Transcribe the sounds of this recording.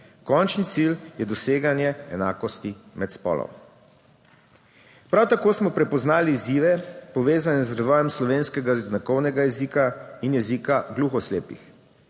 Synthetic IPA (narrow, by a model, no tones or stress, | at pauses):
kɔnt͡ʃnit̪siljɛd̪ɔseːɡanjɛɛnaːkɔst̪imɛt̪spɔ̰ːlɔ̰m | pɾawt̪akoːsmɔpɾɛpɔznaːliːziːʋɛpɔʋeːzanɛzɾʋɔːjɛmslɔʋeːnskɛɡaznakɔwnɛɡajɛziːkainjɛzikaɡluxɔslḛːpḭx